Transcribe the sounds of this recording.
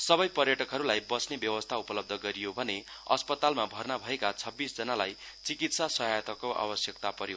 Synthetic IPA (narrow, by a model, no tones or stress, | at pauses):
sʌbʌjpʌrjʌʈʌkɦʌɾulajbʌsnebjʌwʌst̪ʰaupʌlʌb̚d̪ʱʌɡʌɾijobʱʌneʌ̰spʌt̪almabʱʌrnabʱʌekat͡sʰʌbːisd͡zʌnalaj | t͡sikit̪sasʌɦajt̪ʌkoʔa̰bʌsjʌk̚t̪apʌɾi